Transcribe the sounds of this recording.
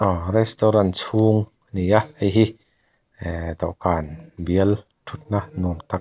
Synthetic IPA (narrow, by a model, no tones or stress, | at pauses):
ʔɔrɛst̪ɔɾansʰuːŋ | nijaʔəjɦi | d̪ɔwʔkaːnbiəl | t̪ʰut̪̚nanɔmt̪ak̚